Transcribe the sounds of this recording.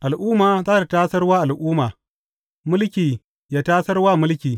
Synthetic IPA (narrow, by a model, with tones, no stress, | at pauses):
ʔa˨lʔuː˦maː˨zaː˦ta˨taː˦sɐ˦rwaː˦ʔa˨lʔuː˦maː˨ | mʊ˦lkʲiː˨ | jaː˦taː˦sɐ˦rwaː˦mʊ˦lkʲiː˨